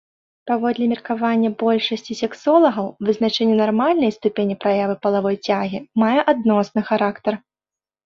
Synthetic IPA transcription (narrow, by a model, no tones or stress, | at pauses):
pavɔd̪lʲɛmʲirkavanʲːɐbɔlʲʂɐsʲt͡sʲisʲɛksɔlˠɐɣɐwvɨznat͡ʂɛnʲːunarmalʲnɐjst̪upʲenʲipɾajavɨpɐlˠavɔjt͡sʲaɣʲimajɛʔad̪̚nɔsnɨxaɾakt̪ɐr